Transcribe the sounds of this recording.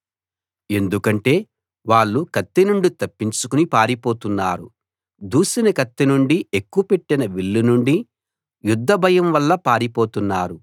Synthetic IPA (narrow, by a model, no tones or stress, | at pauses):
e̞nd̪ukɐɳʈe̞ː | ʋaːɭːukɐt̪ːenuɳɖit̪ɐpːiɲt͡ʃukunipaːɾipo̞ːt̪unːaːɾṵ | d̪uːsinɐkɐt̪ːenuɳɖie̞kːuɐpe̞ʈːinɐʋiɭːunuɳɖi | jud̪ʱːɐbʱɐjɐmʋɐlːɐpaːɾipo̞ːt̪unːaːɾu